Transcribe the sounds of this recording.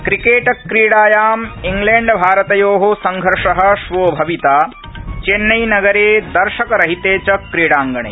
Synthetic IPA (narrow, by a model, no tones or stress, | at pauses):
kɾikeːʈɐkːɾiːɽaːjaːmiŋɡleːɳɖbʱaːɾɐt̪ɐjoːɦosɐŋɡʱɐɾʂɐɦɐ̆ʃʋoːbʱɐʋit̪aː | t͡ʃeːnːɐjnɐɡɐɾeːd̪ɐɾʃɐkɐɾɐɦit̪eːt͡ʃɐkɾiːɽaːŋɡɐɳ̃ɐ̰j